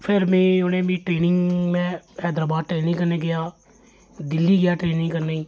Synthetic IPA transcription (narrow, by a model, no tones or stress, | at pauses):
pʰɪɾmẽːʊnẽːmĩːʈɾeːnɪ̃ŋɡmẽhɛːd̪ɾaːbaːd̪̚ʈɾeːnɪ̃ŋɡkəɾneɡɪjaː | d̪ɪlːiːɡɪjaːʈɾeːnɪ̃ŋɡkəɾnaiː